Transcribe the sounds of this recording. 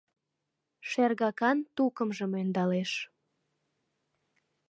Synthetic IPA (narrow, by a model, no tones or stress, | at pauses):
ʃerɣɑkɑnt̪ukəmʒəmønd̪ɑleʃ